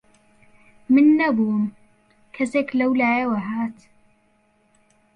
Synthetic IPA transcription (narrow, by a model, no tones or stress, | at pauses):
mɪnːɐbuːm | kʰɐseklɐwlaːjawaɦaːt̪